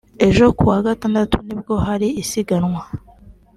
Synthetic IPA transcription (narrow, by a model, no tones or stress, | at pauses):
e̞ʒo̞kuwaɡataːndatunibɡo̞ɦaɾiːsiɡanwa